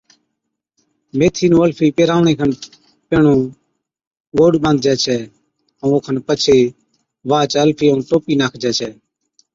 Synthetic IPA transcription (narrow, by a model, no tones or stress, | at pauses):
meːt̪ʰiːnũːəlpʰiːpeːɾaːʋɳeːkʰən | peːɳũː | ʋoːɽɓə̃nd̪̚d͡ʒɛːt͡ʃʰɛː | ə̃ːoːkʰənpət͡ʃʰeː | ʋaːt͡ʃəlpʰiːəːnʈoːpiːnaːkʰd͡ʒɛːt͡ʃʰɛː